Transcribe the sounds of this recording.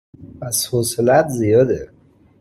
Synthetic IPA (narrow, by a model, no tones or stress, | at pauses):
pæshoselæt̪ʰzijɒːd̪e